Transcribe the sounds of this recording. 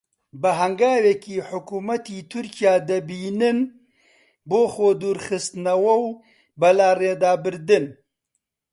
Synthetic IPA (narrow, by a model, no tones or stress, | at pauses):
bɐɦɐŋɡaːwekiːħʊkuːmɐt̪iːt̪ʰʊɾkijaːd̪ɐbiːnɨn | boːxoːd̪uːɾxɨst̪nɐwɐw | bɐlaːreːd̪aːbɨɾd̪ɨn